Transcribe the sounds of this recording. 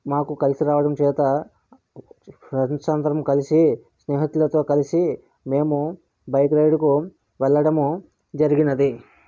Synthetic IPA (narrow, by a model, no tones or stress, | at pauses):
maːkukɐlisiɾaːʋɐɽɐmt͡ʃɛːt̪ɐ | ɾɐnsaːnd̪ɐɾɐmkɐlisisnɛːɦɐt̪ulɐt̪o̞ːkɐlisi | me̞ːmu | bɐjkɾɐjɖku | ʋɛlːɐɽɐmu | d͡ʒɐɾiɡinɐd̪i